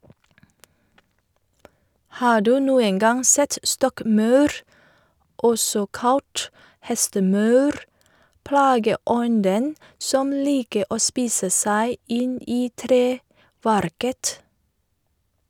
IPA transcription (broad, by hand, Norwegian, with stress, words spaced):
ˈhɑː ˈɖʉː ˈnuːəŋ ˈɡɑŋ ˈsɛt ˈstɔkˌmœʉɾ ˈʔɔsɔ ˈkɑlt ˈhɛstəˌmœʉɾ ˈplɑːɡəˌɔndən ˈsɔm ˈliːkə ˈʔoː ˈspiːsə ˈsæɪ ˈɪn ˈiː ˈtɾeːˌʋæɾkət